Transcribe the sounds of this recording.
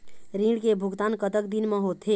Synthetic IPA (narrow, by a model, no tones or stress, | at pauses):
ɾiɽkebʱuɡt̪ankət̪ək̚d̪inmeɦot̪ʰɦe